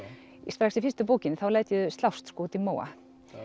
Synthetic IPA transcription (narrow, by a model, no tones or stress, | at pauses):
ist̪pɾaksɪfɪst̪ʏpoːwcɪnːɪθawlaːjt̪jʏst̪lawst̪skoːt̪imoːwa̰